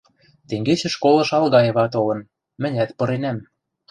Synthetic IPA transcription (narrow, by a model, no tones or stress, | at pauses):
t̪eŋɡet͡ɕɘ̆ʃkolɤ̆ʃɑlɣɑjĕβɑt̪olɤ̆n | mɘ̆nʲæt̪pɤ̆ɾenæm